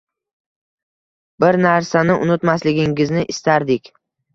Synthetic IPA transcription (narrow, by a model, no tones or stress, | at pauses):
bɪɾnaɾsanɪʔʊnɪt̪maslɪɡʲɪŋʲɪznɪʔɪst̪aɾd̪ɪkʲ